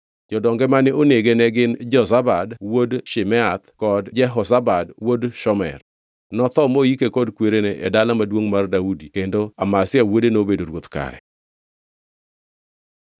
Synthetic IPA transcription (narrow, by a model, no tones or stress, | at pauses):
d͡ʒɔdɔŋɡɛmanɪʔoneɡenɛɡɪnd͡ʒɔzabadwodʃɪmɛat̪kɔdd͡ʒɛɦɔsabadwodʃɔmɛ̰r | nɔt̪ɔmojikekɔdkweɾeneʔɛdalamadwoŋmardaudikendoamasɪawodenobedoɾwot̪ka̰ɾɛ̰